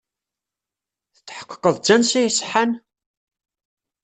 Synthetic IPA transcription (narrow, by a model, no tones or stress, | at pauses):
θət͡sːħə̥qːə̥qːəðˤd͡ʒænsijsħan